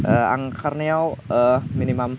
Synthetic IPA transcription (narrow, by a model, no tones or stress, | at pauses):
ʔəa̰ŋkʰarniawəminimam